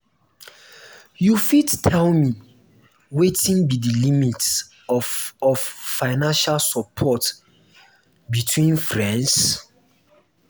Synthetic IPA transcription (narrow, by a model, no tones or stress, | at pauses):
jufidtʰɛlmi | wetĩnbidilimit | ɔɔffaɪnãnʃalsɔpʰɔt | bitʰwĩnfɹɛ̃ns